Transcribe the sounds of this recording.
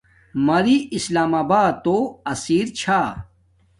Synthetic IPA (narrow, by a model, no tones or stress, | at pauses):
mɐɾiislaːmaːbaːt̪oɐsiːɾt͡ɕʰaː